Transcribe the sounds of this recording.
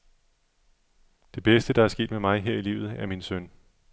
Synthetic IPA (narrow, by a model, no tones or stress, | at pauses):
d̥e̝b̥esd̥əd̥ɑæɐsɡ̥e̝̰ːd̥memɑ̈ɪɦeɐ̰iliʊð̩ˠæɐminsøn